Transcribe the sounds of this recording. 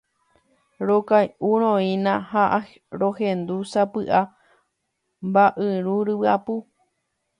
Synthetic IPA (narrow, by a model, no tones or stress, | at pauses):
ɾokajʔuɾ̃õĩnãhaʔa | ɾohẽnd̪usapɨʔa | mbaʔɨɾuɾɨwɨapu